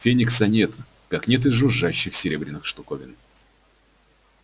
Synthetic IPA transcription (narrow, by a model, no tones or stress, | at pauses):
fʲenʲɪksɐnʲet̪ | kɐknʲet̪̬ɨzːʊʐːaɕːɪxsʲɪɾʲe̞bɾʲɪnːɨxʂt̪ʊkovʲɪ̰n